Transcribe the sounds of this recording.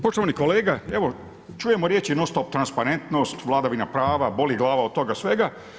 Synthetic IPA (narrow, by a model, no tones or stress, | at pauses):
po̞ʃt̪oʋaniko̞leːɡaeʋo̞ | t͡ʃuje̞moɾjet͡ʃinost̪opt̪ɾanspaɾe̞nt̪no̞st̪ʋlˠaːd̪aʋinapɾaːʋabo̞liɡlˠaːʋao̥t̪o̞ɡasʋe̞ɡa